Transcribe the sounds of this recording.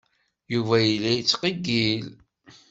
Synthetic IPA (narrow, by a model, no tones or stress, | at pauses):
juvæjilːijit͡sːqiɡil